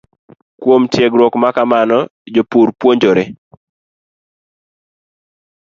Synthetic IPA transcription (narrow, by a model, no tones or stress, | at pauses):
kwomtjeɡɾwokmakamanɔd͡ʒopuɾpwoɲd͡ʒoɾe